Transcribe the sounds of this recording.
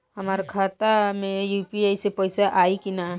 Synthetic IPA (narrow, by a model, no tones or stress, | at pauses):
hɐmaːɾakʰaːt̪amẽjuːpiaːisepɔɪsaʔaːikina